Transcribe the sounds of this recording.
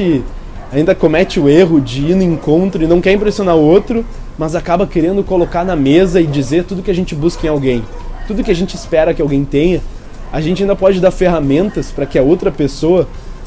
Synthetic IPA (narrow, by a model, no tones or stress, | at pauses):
ɪ | aĩnd̪ɐkomɛt͡ʃɪʊeɦʊd͡ʒɪinʊĩŋkõnt̪ɾʊɪnɐ̃w̃kɛɾĩpɾesionaɾʊot̪ɾʊ | mɐzakabɐkeɾẽnd̪ʊkolokaɾnɐmezɐɪd͡ʒizeɾt̪ud̪ʊkɪɐʒẽnt͡ʃɪbuskɐẽj̃awɡẽj̃ | t̪ud̪ʊkʲɪaʒẽnt͡ʃɪɪspɛɾɐkɪawɡẽj̃t̪ẽjɲɐ | aʒẽnt͡ʃɪaĩnd̪ɐpɔd͡ʒɪd̪aɾfeɦamẽnt̪ɐspɾɐkɪɐowt̪ɾɐpesoɐ